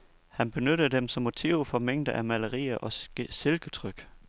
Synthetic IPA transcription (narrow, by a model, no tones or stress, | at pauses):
hænb̥e̝nøɾ̥əd̥emsɒ̽mːo̝t͡sʰiʊfɒ̽meŋ̰d̥əʔæmæləʁḭːɐʔɒ̥̽se̝lɡ̥ət͡sʰʁœɡ̥